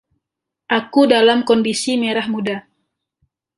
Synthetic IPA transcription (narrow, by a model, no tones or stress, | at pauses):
ʔakudalamkɔndisimeɾahmuda